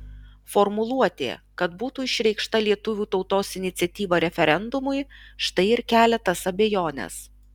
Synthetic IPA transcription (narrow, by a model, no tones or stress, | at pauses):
fɔɾmʊlˠuɔt̪ʲḛːkɐt̪buːt̪uːɪʃʲɾʲɛɪkʃt̪ɐlʲiɛt̪ʊʋʲuːt̪ɒʊt̪oːsɪnʲɪt̪sʲɛt̪ʲiːʋɐɾʲɛfʲɛɾʲɛnd̪ʊmʊɪʃt̪ɐɪɪɾkʲæːlʲɛt̪ɐsɐbʲejoːnʲɛ̰s